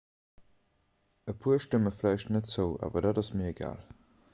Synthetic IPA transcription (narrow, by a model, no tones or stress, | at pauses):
əpʰuɐʃtəməflæɪʃtnətz̥əʊa̰ːvɐdaːdɑsmiɐeɡa̰ːl